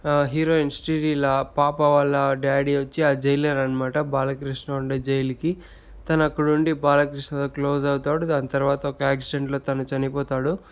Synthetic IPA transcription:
ɦiːɾoːinsʈiːɾiːlɐpaːpɐʋɐlːɐɖaːɽiʋɐt͡ʃːiaːd͡ʒɐjlɐɾɐnɐmaːʈɐbaːlɐkɾiʂɳɐuɳɖed͡ʒɐjliki | t̪ɐnɐːkːɐɽuɳɖibaːlɐkɾiʂɳɐt̪oːkloːzɐwut̪aːɽud̪aːnit̪ɐɾʋaːt̪ɐɔkɐaːksiɖe̞ɳʈlo̞ːt̪ɐnut͡ʃɐnipɔːt̪aːɽu

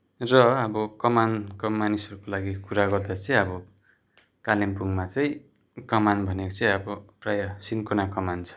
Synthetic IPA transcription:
rʌʌbʌkʌmankʌmanisʌɾukolaɡikuɾaɡʌrd̪at͡sʌĩʌbʌ | kalimpuŋmat͡sʌĩ | kʌmanbʱʌnekot͡sʌj̃ʌbʌprajʌsinkonakʌmant͡sʰʌ̥

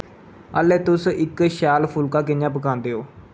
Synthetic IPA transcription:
ə̰ːlːɛːt̪ʊsɪkʃaːlpʰʊlkaːkɪɲjãːp̬əkãːnd̪eːoː

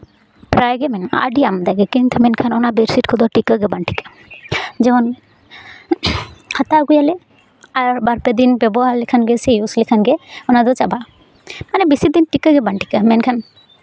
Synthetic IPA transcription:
pɾajɡɛmɛna̰ɖiamd̪aɡɛkiŋt̪ʰmɛnkʰanɔnabeɾsiʈkʰɔd̪ɔʈikəɡɛbaɳʈʰi̥kḁ | d͡ʒɛɔn | hat̪aɡujalɛ | aɾbaɾpɛd̪inbɛbɔɦaɾlikʰanɡɛsejuslikʰanɡɛɔnad̪ɔt͡ʃaba | manɛbisid̪inʈikəɡɛbaɳʈi̥kamɛnkʰan

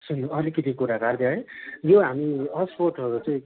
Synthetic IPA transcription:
sunːuʌlikʌt̪ʰikuɾakard̪jaɦejoɦamiʌspoʈʌɾut͡sʌ̃ĩ

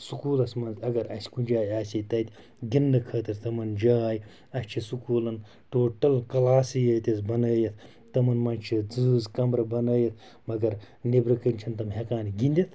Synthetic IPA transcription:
sukuːlɐsmɐnzɐɡɐɾɐsʲkunʲd͡ʒaːjaːsʲit̪ɐt̪ʲ | ɡinːɐkʰɐːt̪ɐɾt̪ɐmɐnd͡ʒaːj | ɐsʲt͡ʃʰisukuːlɐn | ʈoːʈɐlkɐlaːsɨjəːt̪ʲɐzbɐnəːjɐt̪ʰ | t̪ɐmɐnmɐnt͡ʃʰid͡zɨːzkɐmɾɐbɐnɐːjɐt̪̚ʰ | mɐɡɐɾ | nebɾɐkənʲt͡ʃʰint̪ɐmɦekaːnɡinʲd̪ʲit̪ʰ

